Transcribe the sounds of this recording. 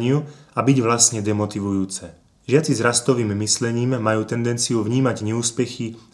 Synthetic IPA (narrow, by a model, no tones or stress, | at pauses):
ɲɪuabiɟʋlasɲɛd̪ɛmɔt̪iʋujuːt͡sɛ | ʒɪat͡sizɾast̪ɔʋiːmːislɛɲiːmːajuːt̪ɛnd̪ɛnt͡sijuʋɲiːmaɟɲɛuːspɛxi